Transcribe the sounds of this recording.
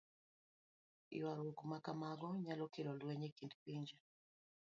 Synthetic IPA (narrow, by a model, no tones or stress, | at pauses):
ḭwaɾokumakamaɡɔɲalɔkilɔlwɛɲɛkindipiɲd͡ʒa